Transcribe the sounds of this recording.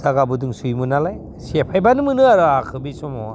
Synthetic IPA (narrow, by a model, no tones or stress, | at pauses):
zaɡabɯdɯŋsujmɯnalaj | sepʰajbanɯmɯnɯaɾɯakʰɯbisɔmɔwa